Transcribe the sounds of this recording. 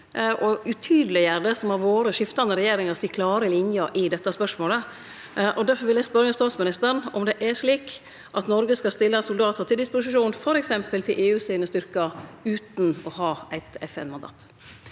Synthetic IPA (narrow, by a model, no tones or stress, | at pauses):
ʔɔʉt̪ʰyːd̪əlɪjæːɖəsɔmhɑɾʋoːɾəʂɪft̪ɑnəɾɛjeːɾɪŋɑsiːkʰlɑːɾəlɪnjəɾʔɪd̪ɛt̪ːɑspœʂmoːlə | ʔɔd̪æɾfɔɾʋɪljæspœɾəəst̪ɑːt̪smɪnɪst̪əɾɳɔmd̪ɛʔæʂliːk | ʔɑt̪nɔɾɡəskɑst̪ɪlːəsʊld̪ɑːt̪ʰəɾt̪ʰɪld̪ɪspʊsɪʃuːnfɔɾɛksɛmpəlt̪ʰɪlʔeːʉːsyːnəst̪ʏɾkɑʉːt̪n̩ɔhɑːæɪt̪ɛfɛ̰nmɑnd̪ɑ̰ːt̪